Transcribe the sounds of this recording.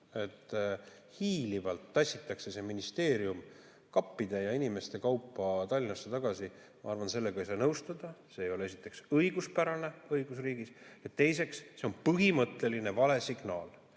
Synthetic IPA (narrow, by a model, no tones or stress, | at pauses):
e̞t̪ː | hiːlivɑlt̪ːɑsʲːit̪ːˑɑkse̞se̞minist̪e̞ːɾium | kɑpːid̪̥e̞jɑinime̞st̪e̞kɑwpːˑɑt̪ɑlʲːinɑsːet̪ɑɡ̥ɑsi | mɑ̰ɑrvɑnse̞lːe̞ɡ̥ɑijsɑːnɤwst̪ɑd̪̥ɑse̞ːjo̞lee̞sit̪ːˑe̞ksɤjɡ̥uspæɾɑne̞ɤjɡ̥usriːɡiset̪ːe̞js̬e̞ksse̞o̞npɤɦimɤt̪ˑːe̞line̞vɑle̞siɡ̥nɑːl